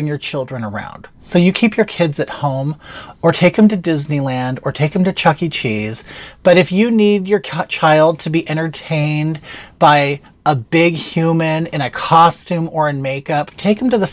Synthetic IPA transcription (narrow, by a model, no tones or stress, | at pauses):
ɪ̃ŋjə˞t͡ʃʰɪlˠdɹɨ̃nə˞ã̰ʊ̃nd̥ | soʊjɨkʰipʰjə˞kʰɪdzɨt̚hõʊ̃mə˞tʰeɪk̚ɨ̃mtɨdɪznilæ̃ndə˞tʰeɪkɨ̃m̩tɨt͡ʃʰʌkit͡ʃʰiz̥b̥ʌɾɨfjɨnidjə˞t͡ʃʰaɪlˠd̚tʰɨbiʔɛ̃ɾ̃ə˞tʰẽɪ̃nb̥aɪ | əbɪɡhjʉmɨ̃nɨ̰̃ɾ̃ɨkʰɑstʉ̃mə˞ɨ̃nmeɪkʌptʰeɪkm̩tɨðɨ